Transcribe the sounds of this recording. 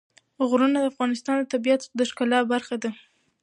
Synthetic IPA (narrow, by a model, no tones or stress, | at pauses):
ɣɾunad̪əafɣɑnɪst̪ɑnd̪ət̪abijat̪d̪əʃkalɑbaɾxad̪a